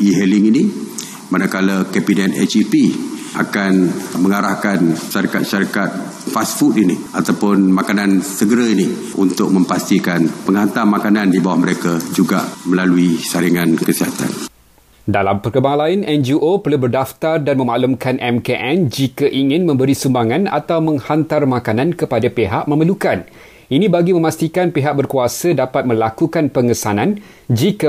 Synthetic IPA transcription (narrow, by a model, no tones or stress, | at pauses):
iɦɛliŋini | manakalakɛpinɛt̪ɛ̰t͡ʃipiʔa̰kanməŋaɾahkanʃaɾikat̪̚ʃaɾikat̪̚ | fastfut̪̚ini | at̪awpʊnmakanansəɡəɾaini | unt̪ʊk̚mə̃mpast̪ikanpəŋɦant̪amakanandibawahməɾekad͡ʒuɡa̰ʔmə̃laluisaɾiŋãnkəsiɦat̪a̰n | dalampərkəbaŋlaɪnʔɛnd͡ʒiʔopərlubərdaft̪ardanmə̃maʔlumkanʔɛmkeʔɛ̃nd͡ʒikaʔiŋɪ̃nmə̃mbəɾisumbaŋãna̰t̪awmə̃ŋhant̪armakanankəpadapeɦaʔmə̃məlukan | inĩbaɡimə̃mast̪ikanpeɦaʔ̚bərkuasədapat̪̚mə̃lakukanpəŋəsanãn | d͡ʒika